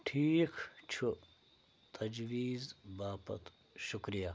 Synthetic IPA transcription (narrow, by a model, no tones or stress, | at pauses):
ʈʰiːkt͡ʃʰu | t̪ʰɐd͡ʒwiːzbaːpɐ̰t̪ | ʃukɾijaː